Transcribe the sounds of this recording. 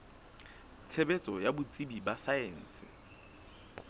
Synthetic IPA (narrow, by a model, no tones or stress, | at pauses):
t͡sʰebet͡sʼɔjabʊt͡sʼibibasaeːn̩ːsɪ̰